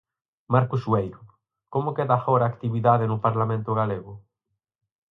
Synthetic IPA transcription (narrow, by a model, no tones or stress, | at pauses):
maɾkʊsuejɾʊ | komokeðafoɾaːkt̪iβiðaðenʊpaɾlamẽnt̪ʊɣ̞aleɣʊ